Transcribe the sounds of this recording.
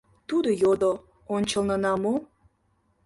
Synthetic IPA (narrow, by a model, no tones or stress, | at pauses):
t̪ud̪ojod̪o | onʲt͡ɕəlnənɑmo